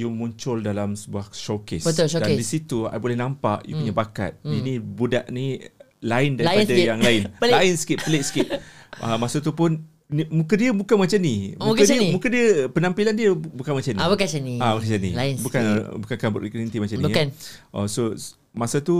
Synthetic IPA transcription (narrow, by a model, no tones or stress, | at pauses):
jumuɲt͡ʃʊldalamsəbuahʃokɪsbət̪ʊlʃodadisit̪ua̰bolɛhnampa̰ʔjṵpuɲabaka̰t̪̚inibudaʔni | laɪndaɾiadajaŋlaɪnpllaɪnsə̥kɪt̚pəlɪʔsə̥kɪt̪̚əmasat̪̬upʊn | nimũkədiəbukanmat͡ʃanimukadimukədiəpənampilandiəbukanmat͡ʃanibəkasəniabəkasanianbukanbukankanbʊ̰ʔiklunit̪imat͡ʃanikanʔaso | masat̪u